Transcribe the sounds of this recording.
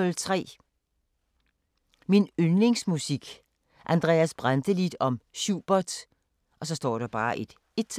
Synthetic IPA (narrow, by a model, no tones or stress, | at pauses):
ɔlt͡sʰʁɛ̰ː | minønle̝ŋsmusiɡ̥ | ʔænd̥ʁɛ̰ːæsb̥ʁand̥əlid̥ɒ̽mɕuːb̥ɐd̥ | ʔɒ̽sɒ̽sd̥ɒ̰ːɾ̥ɑ̈b̥ɑ̈ːʔe̝d̥ | e̝̥t͡sʰ